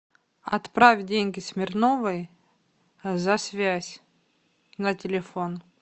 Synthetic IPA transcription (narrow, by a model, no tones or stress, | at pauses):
ɐ̰t̪pɾavʲdʲenʲɡʲɪsʲmʲɪrnovɨj | zɐsʲvʲæsʲ | nətʲɪlʲɪfon